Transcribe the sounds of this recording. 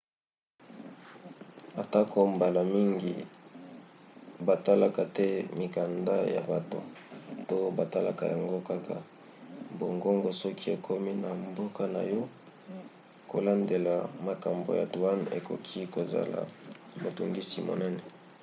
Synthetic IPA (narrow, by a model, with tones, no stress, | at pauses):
a˨ta˦ko˨mba˨la˨mi˦ŋɡi˨ | ba˨ta˦la˨ka˨tɛ˦mi˨ka˨nda˦ja̰˨ba˨to̰˨to˦ba˨ta˦la̰˨ka˨ja˨ŋɡo˦ka˦kʰa˨ | bo˨ŋɡo˦ŋɡɔ˨sɔ˦kʰi˦e˨kʰo˦mi˦na˨mbo˦ka˦na̰˨jɔ˦ | ko˨la˦nde˨la˨ma˨ka˨mbo̰˨ja̰˨dwa˦nḛ˨ko˨kʰi˦ko˨za̰˨la̰˨ | mo˨tu˨ŋɡi˦si˨mo̰˨nɛ˦nɛ˨